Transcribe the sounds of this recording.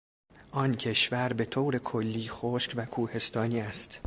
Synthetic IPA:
ʔɒncʰe̞ʃvæɾbe̞t̪ʰoːɾe̞kʰolːiːxoːʃkvækʰuːhe̞st̪ʰɒːniːæst̪

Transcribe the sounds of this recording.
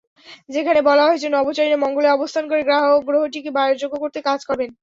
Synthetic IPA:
d͡ʑekʰanebɔlaɦoet͡ɕʰenɔbot͡ɕaɾinemɔŋɡoleɔbost̪ʰankoɾeɡɾaɦoɡɾoɦoʈikibaeɾd͡ʑoɡːokoɾt̪ekad͡ʑkɔɾben

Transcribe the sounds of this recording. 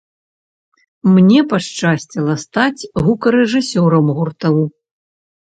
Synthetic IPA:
mnʲɛpaʂt͡ʂasʲt͡sʲɛlˠɐst̪at͡sʲɣukɐɾɛʐɨsʲɔɾɐmɣurt̪ɐw

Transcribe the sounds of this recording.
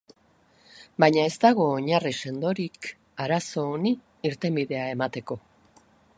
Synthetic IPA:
bajɲae̞zt̪aɣ̞o̞ːɲarise̞nd̪o̞ɾik | aɾaso̞ːniː | ɾt̪e̞mbiðe̞ae̞mat̪e̞ko̞

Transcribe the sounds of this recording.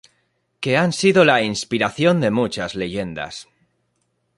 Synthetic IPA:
ke̞ansiðo̞lainspiɾaθjo̞nd̪e̞mut͡ʃazle̞ʝe̞nd̪a̰s

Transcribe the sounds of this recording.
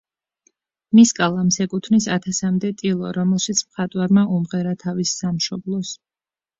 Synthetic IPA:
miskʼalˠamsɛkʼut̪ʰnisat̪ʰasamd̪ɛt̪ʼilˠɔ̰ɾɔmɛlˠʃit̪sʰmχat̪ʼwaɾmaumʁɛɾat̪ʰavisːamʃɔblˠɔs

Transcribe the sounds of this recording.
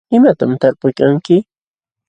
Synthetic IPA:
ɪmat̪amt̪aɾpʊjkaŋkɪ

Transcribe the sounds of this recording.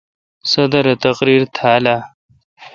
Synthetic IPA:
sɐd̪ɐɾɐt̪ɐqɾiːɾt̪ʰaːla

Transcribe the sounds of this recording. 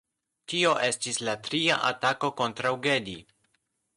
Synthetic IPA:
tio̞ʔe̞stislatɾiaʔatako̞ko̞ntɾawɡe̞di

